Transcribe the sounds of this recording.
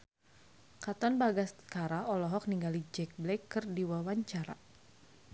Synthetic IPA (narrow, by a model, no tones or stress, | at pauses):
kat̪ɔnbaɡaskaɾaɔlɔɦɔk̚niŋɡalid͡ʒɛk̚blɛkːɨrdiwawaɲt͡ʃaɾa̰